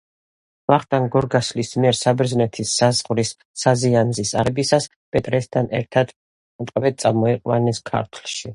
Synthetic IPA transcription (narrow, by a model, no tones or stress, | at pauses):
vaχt̪ʼanɡɔɾɡaslismiɛɾsabɛɾznɛt̪ʰisːazʁɾisː | azianzisaɾɛbisas | pʼɛt̪ʼɾɛst̪ʰanɛɾt̪ʰad̪̥ | t̪ʼqʼvɛt̪sʼamɔɛqʼwanɛskʰa̰ɾt̪ʰlˠʃi